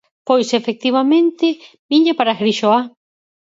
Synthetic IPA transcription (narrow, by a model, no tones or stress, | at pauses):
pojsefek̚t̪iβ̞amẽnt̪ɪ | miɲapaɾaxɾiʃoa